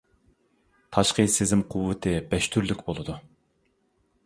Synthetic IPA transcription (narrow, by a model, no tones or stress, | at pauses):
t̪ʰɑʃqəsezɪmqʰʊwːɨt̪ʰɨbɛʃt̪ʰyɾlykʲbolˠɨd̪u